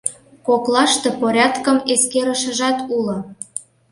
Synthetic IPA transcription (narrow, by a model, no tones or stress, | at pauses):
koklɑʃt̪epoɾʲɑt̪kəmeskeɾəʃə̆ʒɑt̪ulŏ